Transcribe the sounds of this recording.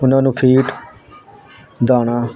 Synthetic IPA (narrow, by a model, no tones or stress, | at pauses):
ʊnãːnũːpʰiːʈ | d̪aːɽ̃aː